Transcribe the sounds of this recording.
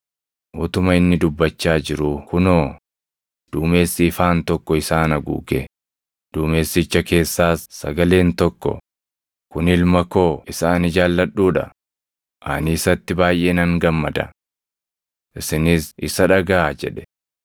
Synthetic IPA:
ʔʊt̪ʊmɐɪnːɪd̪ʊbːɐt͡ʃːaːd͡ʒɪɾukʊnoː | d̪̥uːme̞ːsːɪːfaːnt̪ɔkːɔɪsaːnɐɡṵːɡɛ | d̪̥uːme̞ːsːɪt͡ʃːɐke̞ːsːaːsːɐ̰ɡɐle̞ːnt̪ɔkːɔ̰ | kʊnɪlmɐko̞ːɪsaːnɪd͡ʒaːlːɐɗːuːᶑɐ̰ | ʔɐ̰niːsɐt̪ːɪbaːjʔeːnɐŋɡɐmːɐd̪ɐ̰ | ʔɪsɪnɪsʔɪsɐᶑɐɡɐad͡ʒɛᶑɛ̥

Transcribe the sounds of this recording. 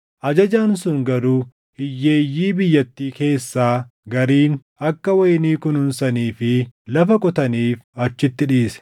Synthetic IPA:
ʔɐd͡ʒɐd͡ʒaːnsʊŋɡɐɾuː | hɪjːe̞ːjːiːbɪjːɐt̪ːiːke̞ːsːaː | ɡɐɾiːn | ɐkːɐwɐjniːkʊnʊnsɐniːfɪlɐfɐkʼɔt̪ɐniːfɐt͡ʃːɪt̪ːɪᶑiːsɛ̥

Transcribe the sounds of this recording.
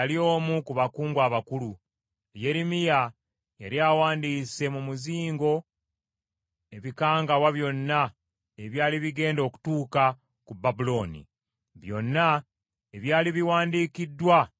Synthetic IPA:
alio̞ːmukuβakuːŋɡwaːβakulu | je̞ɾimija | jeɾiawaːndiːse̞mumuziːŋɡo̞ | e̞βikaːŋɡawaβjo̞nːa | eβjaːliβiɡe̞ːndo̞ːku̥tuːka | kubabulo̞ːnḭ | βjo̞̰nːa | eβjaːliβiwaːndiːkidːwa

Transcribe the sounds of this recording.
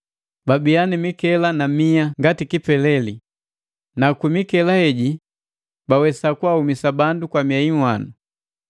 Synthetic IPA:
babianimikɛlanamiaŋɡatikipɛlɛli | nakimikɛlahɛɟi | bawɛsakuahumisabandukwamiaiwanu

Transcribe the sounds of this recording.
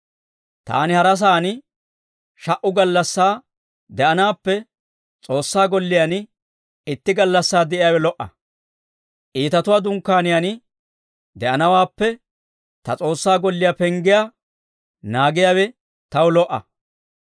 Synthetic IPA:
t̪a̰ːnɪhɐɾɐs̬aːnɪ | ʃɐʔʊɡɐlːɐsːaː | d̪ɛʔɐnaːpːɛ | t͡sʼo̞ːsːaːɡɔlːɪjan | ɪt̪ːɪɡɐlːɐsːaːd̪ɛʔɪjaːwɛlɔʔɐ̰ | ʔiːt̪ɐt̪ʊwaːd̪ʊŋkːaːnɪjan | d̪ɛʔɐnɐwaːpːɛ | t̪ɐt͡sʼo̞ːsːaːɡɔlːɪjapɛŋɡɪja | naːɡɪjaːwɛ | t̪ɐwʊlɔʔɐ̰

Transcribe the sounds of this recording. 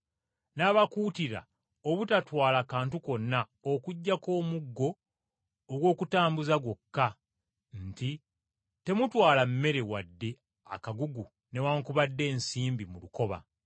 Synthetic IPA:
naːβakuːtiɾa̰ | oβutatwaːlakaːntuko̞nːa | okuɟːako̞ːmuɡːo̞ː | ɡwo̞ːkutaːmbuzaɡo̞kːa | nti | te̞mutwaːlamːe̞ɾe̞wadːe̞ | a̰kaɡuɡu | ne̞waːŋkuβadːe̞ːnsiːmbimuluko̞βa̰

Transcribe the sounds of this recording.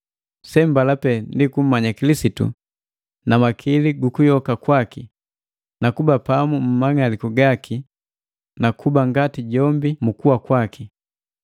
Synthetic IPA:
sɛmbalapɛndikum̩maɲakilisitṵ | namakʰiliɡukujɔkakwaki | nakubapamum̩maŋalikuɡaki | nakʰubaŋɡatiɟɔmbimukuwakwakʰi

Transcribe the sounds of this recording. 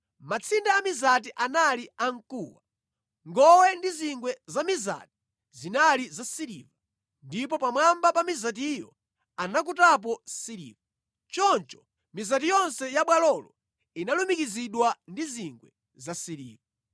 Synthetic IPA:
mat͡sʰindaːmizat̬iʔanaliaŋkuwa | ŋɡɔwɛndiziŋɡwɛzamiza̰ti̥ | zinalizasiɾḭːva | ndip̬ɔpamwambapamizat̬ijɔ̰ | anakutap̬ɔsiɾḭːva | t͡ʃɔnt͡ʃɔ̥ | mizat̬ijɔnsɛjaɓwalɔlɔ | inalumikiziɗwandiziŋɡwɛ | zasiɾḭːva

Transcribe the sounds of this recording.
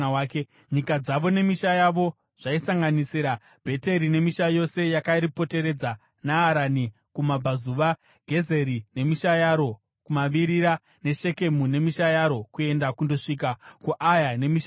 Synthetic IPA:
wːke | ɲikad͡zaʋo̞ne̞miʃajaʋo̞ | ʐ̥aisaŋɡanisiɾa | b̥ʱe̞te̞ɾine̞miʃajo̞se̞jakaiɾipo̞te̞ɾe̞d͡za | naːɾani | kumabazuʋa | ɡʱe̞ze̞ɾine̞miʃajaɾo̞ | kumaʋiɾiɾa | ne̞ʃe̞ke̞mune̞miʃajaɾo̞kue̞ndakundo̞ʂiːk̬akuʔajane̞miʃ

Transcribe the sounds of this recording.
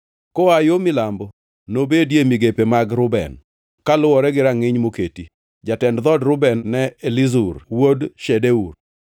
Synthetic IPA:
kɔajomɪlambɔ | nobedjemiɡepemaɡɾʊbɛ̰n | kalʊwɔɾɛɡɪɾaŋɪɲmoketi | d͡ʒatɛndd̪ɔdɾʊbɛnːɛelizurwodʃɛdeur

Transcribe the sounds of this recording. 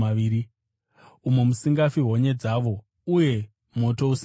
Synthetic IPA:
aiːɾi | umemusiŋɡafiɦo̞ɲe̞d͡zaːʋo̞ | uje̞ | mo̞to̞us

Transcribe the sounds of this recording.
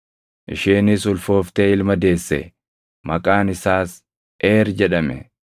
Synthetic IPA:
ʔɪ̰ʃiːnɪsʊlfo̞ːft̪eːɪlmɐd̪e̞ːsːɛ̰ | mɐkʼaːnɪsaːs | ʔeːɾd͡ʒɛᶑɐmɛ̰

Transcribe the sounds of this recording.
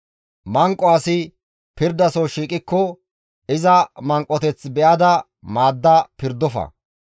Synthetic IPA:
mɐŋkʼːɔɐsɪ | pɪɾd̪ːɐsɔʃiːkʼːɪkːɔ | ɪzɐmɐŋkʼːɔt̪ɛt͡sbɛʔɐd̪ɐ | maːd̪ːɐpɪɾd̪ɔfɐ̰

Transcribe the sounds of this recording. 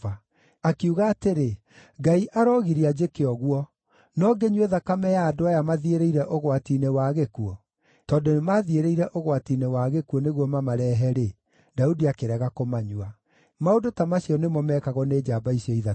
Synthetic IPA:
a | akiuɣaːteɾe | ɡaiʔaɾɔɣiɾiad͡ʒekeɔɣwɔ | nɔɡeɲweðakamɛjaːdoajamaðieɾeiɾɛʔoɣwatinewaːɣekuɔ | tɔːdonemaðieɾeiɾɛʔoɣwatinewaɣekuɔneɣwɔmamaɾɛːɦɛɾe | daudiakeɾɛɣakomaɲwa | maodotamaɕiɔnemɔmɛkaɣɔned͡ʒaːbaisiɔiða

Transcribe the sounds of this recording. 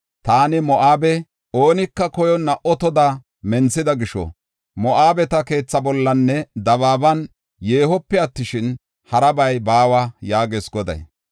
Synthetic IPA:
t̪aːnɪmɔʔaːbɛ | o̞ːnɪkːɐkɔjɔnːɐʔɔt̪ɔd̪a | mɛnt͡sːɪd̪ɐɡɪʃɔ̰ | mɔʔaːbɛt̪ɐke̞ːt͡sːɐbɔlːɐnːɛd̪ɐβaːbɐn | jeːhɔpːɛɐt̪ːɪʃɪn | hɐɾɐbɐjbaːwɐjaːɡeːsɡɔd̪ɐ̰j

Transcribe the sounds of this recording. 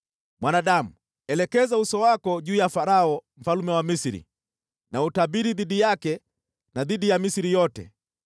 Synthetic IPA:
mwʔanaɗamu | ɛlɛkɛzausɔwakɔʄuːjafaɾaɔm̩falumɛwamisiɾḭ | nautabiɾiðiɗijakɛ | naðiɗijamisiɾijɔtɛ̰

